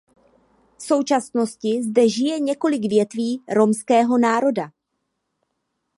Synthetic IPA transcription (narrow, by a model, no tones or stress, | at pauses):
fso̞wt͡ʃasno̞scɪzdɛʒɪjɛɲɛko̞lɪɡvjɛt̪viːɾo̞mskɛːɦo̞naːɾo̞da